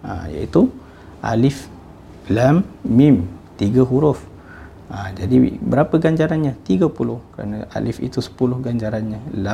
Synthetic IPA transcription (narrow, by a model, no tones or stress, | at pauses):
a̰mja̰it̪u | ʔa̰lɪf | lamːimt̪iɡaɦuɾʊf | amd͡ʒadibəɾapəɡaɲd͡ʒaɾanɲãt̪iɡapulʊhkəɾa̰naʔa̰lifḭt̪usə̥pulʊhɡaɲd͡ʒaɾanɲala